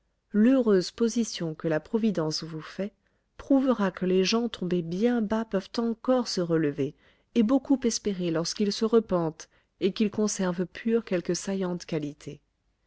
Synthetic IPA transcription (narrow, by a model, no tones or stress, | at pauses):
løʁøzpozisjɔ̃kəlapχɔvid̪ɑ̃svufɛ | pχuvəʁakəleʒɑ̃t̪ʰɔ̃bebjɛ̃bapœvt̪ɑ̃kɔʁsəʁələve | ebokupɛspeʁelɔʁskilsəʁəpɑ̃t̪ | ekʲilkɔ̃sɛʁvpʰyʁkʲɛlkəsajɑ̃t̪kalit̪ʰe